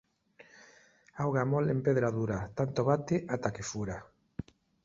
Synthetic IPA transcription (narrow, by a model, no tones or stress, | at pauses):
awɣamolempeðɾaðuɾat̪ant̪oβat̪eʔat̪akefuɾa